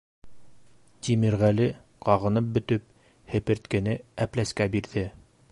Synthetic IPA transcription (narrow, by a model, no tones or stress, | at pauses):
t̪ʲimɘɾʁælɘ | qɑʁɤ̆nɤp̚bɵ̆t̪ɵp̚ | hɘ̆pɘ̆ɾt̪kɘ̆nɘæplæskæbiɾðɘ